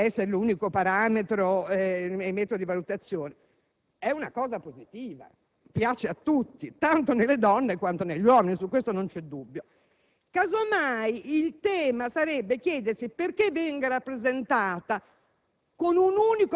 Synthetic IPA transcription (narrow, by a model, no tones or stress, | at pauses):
ɛsːeɾeluːnikopaɾaːmet̪ɾoɛemːɛːt̪od̪ivalut̪at̪sːjoːne | ɛunakɔːzapozit̪iːva̰ | pjaːt͡ʃeat̪ːut̪ːit̪ant̪onelːed̪ɔnːekwant̪oneʎːwɔminisukːwest̪onont͡ʃɛd̪ːubːjo | kazomajilt̪ɛːmasaɾɛbːekjɛːd̪ersiperkevːɛŋɡaɾapːɾezent̪aːt̪a | konunuːniko